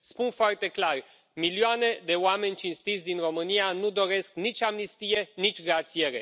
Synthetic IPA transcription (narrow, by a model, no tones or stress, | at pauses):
spunfoart̪e̞klar | milioane̞d̪e̞oame̞nʲt͡ʃinst̪it̪sʲd̪inro̞mɨnianud̪o̞ɾe̞sknit͡ʃʲamnist̪ije̞nit͡ʃʲɡɾat̪sie̞ɾe̞̰